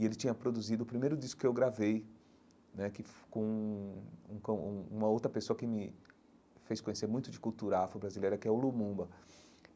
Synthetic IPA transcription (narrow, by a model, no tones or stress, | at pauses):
ɪelɪt͡ʃĩɲɐpɾod̪uzid̪ʊːpɾimejɾʊd͡ʒiskʊ̥kɪewɡɾavej | nɛkɪfkõũũkõũũmɐowt̪ɾɐpesoɐkɪmɪ | fejskõɲeseɾmũj̃t̪ʊd͡ʒɪkuwt̪uɾɐafɐbɾazilejɾɐkɪɛʊlumũbɐ